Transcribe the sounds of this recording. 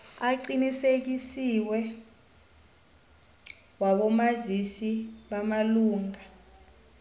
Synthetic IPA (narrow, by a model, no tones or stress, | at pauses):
aǀinisek̬isiwɛ | waɓɔmazisiɓamaluːŋa